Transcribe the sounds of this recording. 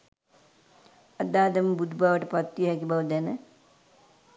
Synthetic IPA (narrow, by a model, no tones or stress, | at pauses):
ɐd̪aːd̪ɐmbud̪ʱbaʋɐʈɐpɐt̪ːjɦɛkibɐʋd̪ɛnə